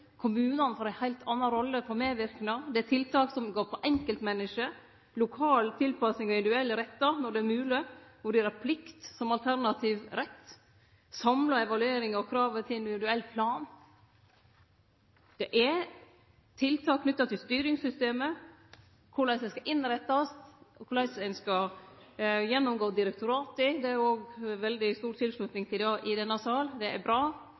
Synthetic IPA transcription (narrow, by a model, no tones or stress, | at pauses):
kʰʊmʉːnɑnəfoːɾæɪhæɪlt̪ʰɑnːɑɾɔlːəfɔɾmeːʋɪɾknɑd̪ɛæt̪ʰɪlt̪ʰɑːksɔmɡoːɾpʰɔʔɛŋkəlt̪mɛnːɪʂə | lʊkʰɑːlt̪ʰɪlpɑsɪŋɔɪnd̪ʉɛlːəɾɛt̪ːɑnɔɖɛæɾmʉːlɪʋʊɖeːɾæɾpʰlɪkt̪sɔmɑlt̪ʰæɾnɑt̪ʰiːʋɾɛt̪ː | sɑmlɑɛʋɑlʉeːɾɪŋɔkʰɾɑːʋət̪ʰɪɪnd̪ɪʋɪd̪ʉɛlːpʰlɑːn | d̪̥ɛʔɛɾ | t̪ʰɪlt̪ʰɑːkʰnʏt̪ːɑt̪ʰɪlst̪yːɾɪŋsʏst̪eːmə | kʰʊɭæɪsɛɪskɑʔɪnɾɛt̪ːɑst̪kʰʊɭæɪsɛɪnskɑ | jɛnːʊmɡoːd̪ɪɾɛk̚t̪ʊɾɑːt̪ɪd̪ɛæɾoːɡʋɛld̪ɪst̪uːɾt̪ʰɪlslʉt̪nɪŋt̪ʰɪld̪ɑːʔɪd̪ɛnːɑsɑːld̪ɛʔæbɾɑː